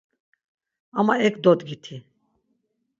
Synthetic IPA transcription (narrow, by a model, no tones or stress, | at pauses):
amaɛkʰd̪ɔd̪ɡit̪ʰi